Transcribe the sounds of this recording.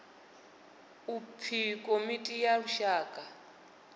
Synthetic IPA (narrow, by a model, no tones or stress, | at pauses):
upʰikʼomitʼijauʃaːkʼa